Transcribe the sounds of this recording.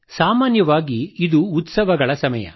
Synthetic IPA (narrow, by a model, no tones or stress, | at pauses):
saːmaːnjɐʋaːɡiːd̪uːt̪sɐʋɐɡɐɭɐsɐmɐjɐ̰